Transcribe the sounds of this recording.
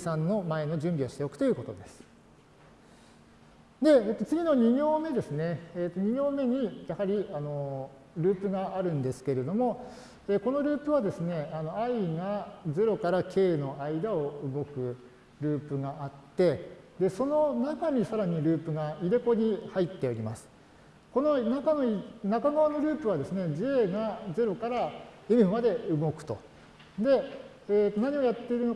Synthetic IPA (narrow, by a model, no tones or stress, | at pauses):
sãnːo̞mae̞no̞ʑɨ̃mbʲio̞ɕi̥t̪eo̞kɯ̥t̪o̞jiɯ̟ko̞t̪o̞d̪e̞sɨ̥ | d̪e̞eːt̪ːo̞t͡sɨɡʲino̞ɲ̟iɡʲo̞ːme̞d̪e̞sɨne̞ːt̪ːo̞ɲ̟iɡʲo̞ːme̞ɲ̟ijahaɾʲiano̞ | ɾɯ̟ːpɯ̟ɡaʔaɾɯ̟̃nd̪e̞sɨ̥ke̞ɾe̞d̪o̞mo̞ | eːko̞no̞ɾɯ̟ːpɯ̟β̞ad̪e̞sɨne̞ano̞aiɡad͡zeɾo̞kaɾakʰe̞ːno̞ʔaid̪aoɯ̟ɡo̞kɯ̟ | ɾɯ̟ːpɯ̟ɡaat̪ːe̞d̪e̞so̞no̞nakaɲ̟isaɾaɲ̟iɾɯ̟ːpɯ̟ɡaiɾe̞ko̞ɲ̟ihait̪ːe̞o̞ɾʲimasɨ̥ | ko̞no̞nakanoinakaɡaβano̞ɾʲɯ̟ːpɯ̟β̞ad̪e̞sɨne̞d͡ʑieːɡaze̞ɾo̞kaɾa | imɯ̟mad̪e̞ɯ̟ɡo̞kɯ̥t̪o̞̰ | d̪e̞ | eːt̪ːonaɲ̟io̞jat̪ːe̞iɾɯ̟no̞